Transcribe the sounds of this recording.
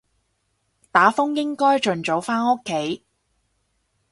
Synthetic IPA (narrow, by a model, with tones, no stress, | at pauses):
t̪aː˨˥fʊ˥ŋjɪ˥ŋkɔː˥jt͡ʃɵ˨nt͡so˨˧˥wfaː˥no˥kʰːe˨˥j